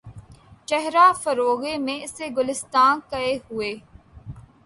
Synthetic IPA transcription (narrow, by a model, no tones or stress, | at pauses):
t͡ʃɛɦɾaːfəɾoːɣemẽɪseɡʊlɪst̪aːnkɐeɦʊeː